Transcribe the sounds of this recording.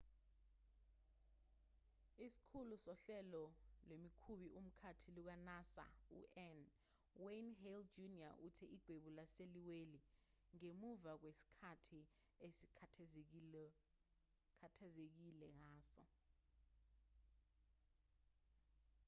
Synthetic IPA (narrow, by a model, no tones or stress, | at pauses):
isi̥kʰulusɔɬɛlɔlemikʰuɓiʔum̩kʰatʰiluk̬anasa̰ṵʔɛn | wenɦeld͡ʒunia̰ʔutʰɛiɡ̥ʱweɓulaseliweli | ŋemuvak̬wesi̥kʰatʰi | esi̥ | kʰatʰazek̬ilɛŋaːsɔ̰